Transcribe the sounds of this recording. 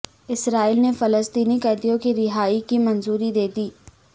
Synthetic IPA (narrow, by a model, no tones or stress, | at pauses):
ɪsɾaːilnefələst̪iːnikɛːd̪ijõkiɾɪɦaːikimɐnzuːɾid̪eːd̪iː